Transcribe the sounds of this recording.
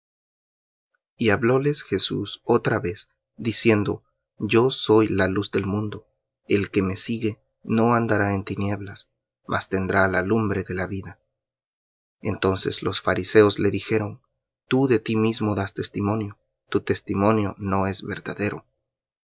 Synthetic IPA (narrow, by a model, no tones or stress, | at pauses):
iaβlo̞le̞sxe̞susot̪ɾaβe̞s | d̪isje̞nd̪o̞̰ | ɟ͡ʝo̞so̞jlaluzd̪e̞lmũnd̪o̞ | e̞lke̞me̞siɣe̞ | no̞and̪aɾaent̪inje̞βlas | mʔa̰st̪e̞nd̪ɾalalumbɾe̞ðe̞laβiða | e̞nt̪o̞nse̞̰slo̞sfaɾise̞o̞zle̞ðixe̞ɾo̞n | t̪uðe̞t̪imizmo̞ðast̪e̞st̪imõ̞njo̞ | t̪ut̪e̞st̪imõ̞njo̞no̞e̞zβe̞̰ɾðaðe̞ɾo̞̰